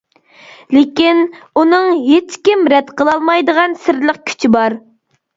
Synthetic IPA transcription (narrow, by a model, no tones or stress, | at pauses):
lɪkʲinunɨŋɦet͡ʃkʲimɾɛt̪qʰəlˠɑlˠmɑjd̪əʁɑnsɪɾləq̚kʲʰy̥t͡ʃʰibɑɾ